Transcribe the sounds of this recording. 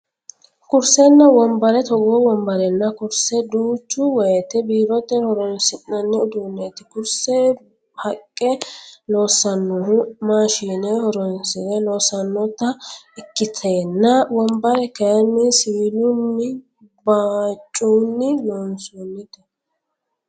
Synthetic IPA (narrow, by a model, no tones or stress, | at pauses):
kʊɾsɛnːɐwɔmbɐɾɛt̪ɔɡɔwɔmbɐɾɛnːɐkʊɾsɛd̪uːt͡ʃːʊwɔjɛt̪ɛbiːɾɔt̪ːɛhɔɾɔnsɪnːɐnːɛʊd̪uːnːeːt̪ɪkʊɾsɛ | hɐkʼːɛloːsːɐnːʊhʊmaːʃiːnɛhɔɾɔnsɪd̪ɛloːsɐnːɔt̪ːɐɪkːɪt̪ʰeːnːɐwɔmbɐɾɛkɐjɐnːɪsɪɪlʊnːɪ | baːt͡ʃʼːunːɪjɔnsuːnːɪt̪ɛ